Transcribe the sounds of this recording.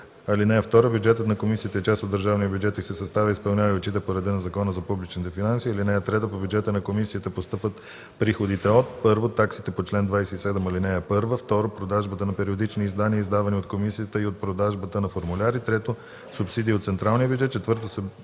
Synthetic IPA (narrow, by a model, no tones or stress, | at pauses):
ɐlinɛɛft̪ɔɾəbjud͡ʒɛt̪ət̪nɐkomisiət̪əɛt͡ʃast̪od̪əɾʒavniəbʲjud͡ʒɛt̪isɛsɐst̪avʲəispɐlˠnʲavot͡ʃit̪əpoɾɐd̪ɛnɐzɐkɔnəzɐpublit͡ʃnit̪ɛfinansiɐlinɛɛt̪ɾɛt̪əpobʲjud͡ʒɛt̪ənɐkomisiət̪əpost̪ɤpvət̪ | pɾixod̪it̪ɛot̪̚pɤɾvot̪aksit̪ɛpot͡ʃlɛnd̪vajsɛisɛd̪ɛmɐlinɛɛpɤɾvəft̪ɔɾopɾod̪aʒbət̪ənɐpɛɾiod̪it͡ʃniːzd̪aniəizd̪avɐniot̪komisijət̪əiot̪̚pɾod̪aʒbət̪ənɐfoɾmulʲaɾit̪ɾɛt̪o | supsid̪iːot̪sɛnt̪ɾalˠnijəbʲjud͡ʒɛt̪̚t͡ʃɛt̪vəɾt̪osɛ